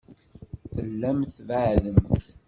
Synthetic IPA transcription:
θəlːæmθvəʕðəmθ

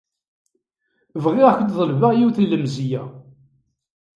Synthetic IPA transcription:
vʁɪʁakʷənðˤəlvaʁjiwθlːəmzijæ

